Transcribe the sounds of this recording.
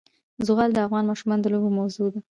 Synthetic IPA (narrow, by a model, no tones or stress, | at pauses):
zʊɣɑld̪əafɣɑnmɑʃumɑnd̪əlobomawzod̪a